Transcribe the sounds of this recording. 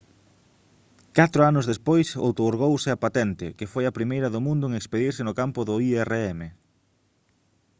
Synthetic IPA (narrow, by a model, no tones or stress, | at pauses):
kat̪ɾʊanʊzðespojso̰wt̪oɾɣowsɪɐpat̪ɛnt̪ɪkɪfojɐpɾimejɾɐðʊmũnd̪ʊeŋekspeðiɾsɪnʊkampʊðʊiɛreɛme